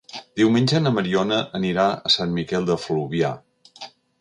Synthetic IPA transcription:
d̪iwmenʲd͡ʒənəməɾiɔnəʔəniɾaəsanmikɛlˠd̪əfluβia

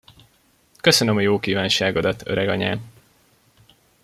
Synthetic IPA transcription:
køsønømɒjoːkiːvaːnʃaːɡod̪ɒt̪ʰø̰ɾɛɡɒɲa̰ːn

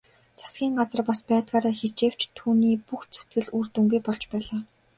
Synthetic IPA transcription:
t͡sʰḁsɡʲiːŋɢat͡sə̆rpaspæːt̪ɢaːɾaːxet͡ɕeːw̥t͡ɕt̪ʰuːniːpuxt͡sʰu̥t̪ɡɘ̆ɮurt̪ŭŋɡujpɔɮt͡ɕpæːɮaː

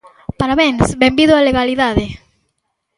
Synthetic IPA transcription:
paɾaβeŋsbembiðʊaleɣaliðaðe

